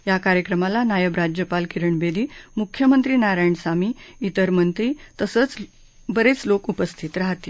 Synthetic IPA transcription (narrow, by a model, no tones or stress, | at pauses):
jakaɾjəkɾəmalanajəbɾad͡ʑjəpalkiɾəɳbed̪iːmukʰːjəmənt̪ɾiːnaɾajɳsamiːit̪əɾmənt̪ɾiːt̪əsət͡s | bəɾet͡slokupəst̪ʰit̪ɾaɦt̪e